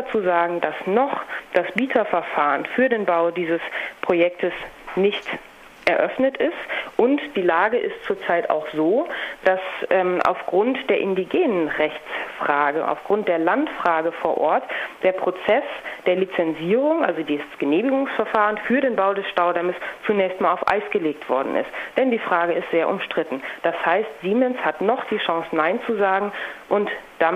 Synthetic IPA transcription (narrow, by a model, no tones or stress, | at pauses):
at͡suːzaːɡŋ̩dasnɔχd̥asb̥iːtʰɐfɛɐfaːʁənfyːɐdeːnbaʊdiːzəspʁ̥ojɛk̚tʰəsnɪçt | ʔɛɐʔœfnətɪstʔʊntd̥iːlaːɡəʔɪstt͡suːɐt͡saɪta̰ʊxz̥oːd̥asʔɛːmʔa̰ʊfɡ̥ʁʊntd̥eːɐʔɪndiɡeːnənʁɛçt͡sfʁ̥aːɡəʔa̰ʊfɡ̥ʁʊnt̚d̥eːɐlantfʁ̥aːɡəfoːɐʔɔɐtd̥eːɐpʁ̥ot͡sɛsd̥eːɐlit͡sɛnziːʁ̞ʊŋʔa̰lzodiːsɡ̥əneːmɪɡʊŋsfɛɐfaːʁənfyːɐɾeːnbaʊdɛsʃtaʊdɛməst͡sunɛːçstmaːlaʊfʔa̰ɪsɡ̥əleːk̚tv̥ɔɐdn̩ɪ̰std̥ɛndiːfʁ̥aːɡəɪstz̥eːɐʔʊ̰mʃtʁ̥ɪtn̩d̥ashaɪstz̥iːmɛnshatnɔχd̥iːʃɔ̃ŋsnaɪnt͡suzaːɡŋ̩ʔʊntd̥a